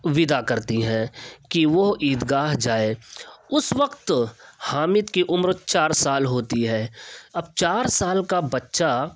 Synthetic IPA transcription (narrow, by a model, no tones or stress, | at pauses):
ʋɪd̪akɐɾt̪iɦɛ̃ːkiʋoɦiːd̪ɡaːɦd͡ʒaːeːʊsʋəqt̪haːmɪt̪kiʔʊmɾt͡ʃaːɾsaːlɦoːt̪iɦɛːɐb̚t͡ʃaːɾsaːlkabɐtːʃa